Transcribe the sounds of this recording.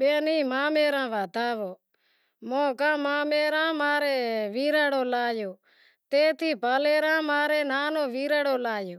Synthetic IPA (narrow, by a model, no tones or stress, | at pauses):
ɓeːniːmãːmeːɾãːʋaːt̪aːʋoː | mõːkãːmãːmeːɾãːmaːɾeːʋiːɾəːɽoːlaːjoː | t̪eːt̪ʰiːpaːleːɾãːmaːɾeːnaːnõːʋiːɾəːɽoːlaːjoː